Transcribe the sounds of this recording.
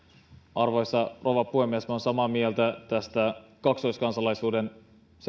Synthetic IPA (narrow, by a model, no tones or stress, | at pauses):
ʔɑrʋojsːɑrʔoʋɑpuhemiesmæonsɑmɑmielt̪æt̪æst̪ækɑkst̪ojskɑnsɑlɑjsuːde̞n | s